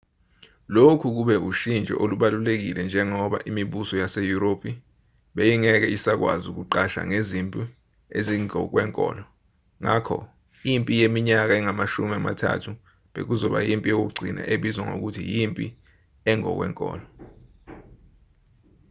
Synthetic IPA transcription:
lokʰuk̬uɓɛuʃind͡ʒʱʼɔ̰ʔoluɓalulek̬ilɛnd͡ʒʱɛŋɔɓaʔimiɓusɔjasejuɾopʰi | ɓejiŋɛk̬ɛisak̬wa̰zuk̬uǃaʃa̰ŋezimpʼi | eziŋɔk̬wɛŋkʼɔ̰ːlɔ | ŋakʰɔ̰ | jimpʼijemiɲak̬aɛŋamaʃumiama̰tʰa̰tʰu | ɓḛk̬uzɔɓa̰jimpʼijok̬uɡ͡ǀʱina̰ʔeɓizwaŋo̰k̬utʰḭjimpʼḭ | ɛŋɔ̰k̬wɛ̰ŋkʼɔ̰ːlɔ

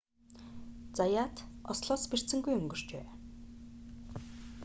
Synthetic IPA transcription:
t͡sajaːt̪ɔsɮɔːsper̥tt͡sɘ̆ŋɡujɵŋɡɵ̆r̥t͡ɕḛː

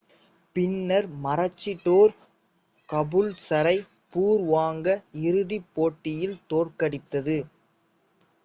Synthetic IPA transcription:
pɪnːɐɾmɐɾɐt͡ʃːɪʈːoːɾ | kɐbɯlsɐɾɐɪ | puːɾʋaːŋɡɐɪɾɯðipːoːʈːɪjɪlt̪oːrkɐɽɪt̪ːɐðɯ

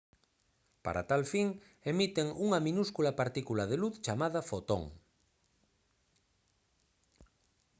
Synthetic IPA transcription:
pa̰ɾa̰t̪alfiŋ | emit̪eŋuŋamĩnuskulapaɾt̪ikulað̞eluθt͡ʃamað̞afot̪o̰ŋ

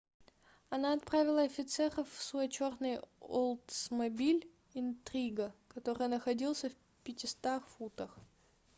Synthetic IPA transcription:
ɐnaɐt̪̚pɾavʲɪlˠəɐfʲɪt̪sɛrəfsuət͡ɕo̞rnɨjolˠt̪smɐbʲilʲ | ɪnt̪ɾʲiɡəkɐt̪o̞ɾɨjnəxɐdʲilˠsʲəf | pʲɪtʲɪst̪axfut̪əx

